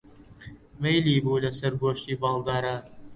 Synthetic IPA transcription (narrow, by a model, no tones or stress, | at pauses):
vejliːbuːlɐsɐɾboːʃt̪iːbɑːld̪aːɾaːn